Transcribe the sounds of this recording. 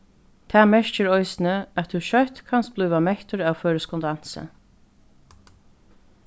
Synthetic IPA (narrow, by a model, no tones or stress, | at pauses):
t̪ʰæːmɛɹ̥t͡ʃɪɾɔjsɪnəæt̪ʰːuʃœht̪kʰanst̪̚b̥lyːvamɛht̪ʏɹawføːɾəskɔnd̪an̥sə̰